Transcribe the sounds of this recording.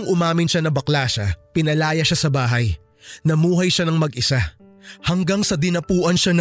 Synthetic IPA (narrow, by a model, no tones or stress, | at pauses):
ŋʔʊmaːmɪnʃanɐbɐklaːʃɐpɪnɐlaːjɐʃasɐbaːɦɐj | nɐmuːɦɐjʃanɐŋmɐɡʔɪsahɐŋɡaŋsɐd̪ɪnɐpuːʔɐnʃan